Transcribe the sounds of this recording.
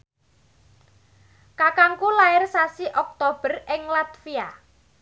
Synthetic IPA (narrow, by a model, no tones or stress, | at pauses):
kakaŋkulaɪrsasiʔɔk̚t̪ob̥ə̤rɪŋlat̪fia